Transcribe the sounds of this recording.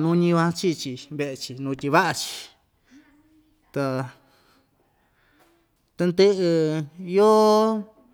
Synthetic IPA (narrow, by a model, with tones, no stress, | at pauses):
nũ˦ɲĩ˧βã˧t͡ʃi˦t͡ʃi˧βe˧ʔe˧t͡ʃi˧nũː˧t̪ʲi˧βa˦ʔa˧t͡ʃi̥˧ | t̪a˧ | t̪a˧nd̪e˦ʔe˧jo˦